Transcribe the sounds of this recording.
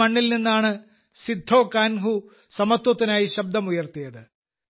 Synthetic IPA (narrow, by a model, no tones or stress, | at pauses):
ɐɳːilninːaːɳɨ | sid̪ʱːo̞ːkaːnɦu | sɐmɐt̪wɐt̪ːinaːjiɕɐb̚d̪ʱɐmujɐrt̪ijɐðɨ